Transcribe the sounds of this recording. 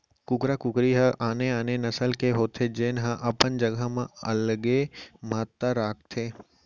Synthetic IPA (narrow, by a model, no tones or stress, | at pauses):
kʊkɾakʊkɾiɦaʔaːneaːnenɐsəlkʰeɦoːt̪ʰed͡ʑeːnɦãʔɐpənd͡ʑɐɡamãɐlɠemaːt̪ːaɾaːk̚t̪ʰeː